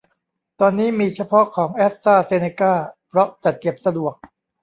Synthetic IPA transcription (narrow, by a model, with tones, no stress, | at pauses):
t̪ɔː˧nːiː˦˥miː˧t͡ɕʰa˧pʰɔ˦˥kʰɔː˩˦ŋʔɛː˦˥t̪̚saː˥˩seː˧neː˧kaː˥˩pʰɾɔ˦˥t͡ɕa˨˩t̪̚ke˨˩p̚sa˧du˨˩ək̚